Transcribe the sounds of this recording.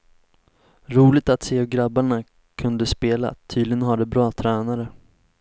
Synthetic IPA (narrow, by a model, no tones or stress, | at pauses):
ɾuːlɪt̪at̪seːɡɾabaɳa | kʰɵnd̪əspeːla̰t̪ʰyːd̪lɪɡənɦaɖɛbɾɑːt̪ʰɾɛːnaɾə